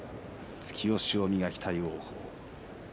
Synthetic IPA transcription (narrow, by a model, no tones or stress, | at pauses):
t͡sɨ̥kʲio̞ɕiomʲiɡakʲi̥t̪ʰaioːho̰ː